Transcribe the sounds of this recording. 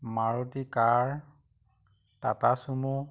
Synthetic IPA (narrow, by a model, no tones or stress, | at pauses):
maɹɔtikaɹ | tatasumu